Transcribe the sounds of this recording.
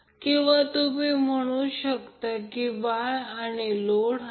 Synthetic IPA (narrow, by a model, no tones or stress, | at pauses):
kĩw̃ʋat̪umiːm̤əɽ̃uɕəkt̪akiʋajaniloɽ